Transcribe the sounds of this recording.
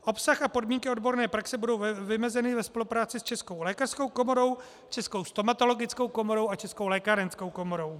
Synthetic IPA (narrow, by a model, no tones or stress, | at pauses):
ʔo̞psaxapo̞dmiːŋkɪo̞dbo̞ɾnɛːpɾaksɛbudo̞wvɪmɛzɛnɪvɛspo̞lupɾaːt͡sɪst͡ʃɛskowlɛːkar̥skowko̞mo̞ɾo̞w | t͡ʃɛsko̞wst̪omat̪o̞lo̞ɡɪt͡skowko̞mo̞ɾo̞wat͡ʃɛsko̞wlɛːkaːɾɛnsko̞wko̞mo̞ɾo̞w